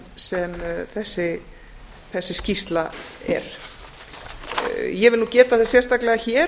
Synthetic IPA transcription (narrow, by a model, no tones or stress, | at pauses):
sɛmθɛsːɪ | θɛsːɪscist̪laɛ̰ɾ̥ | jɛvɪluːcɛːt̪aθɛsjɛrst̪aklɛɣaçɛː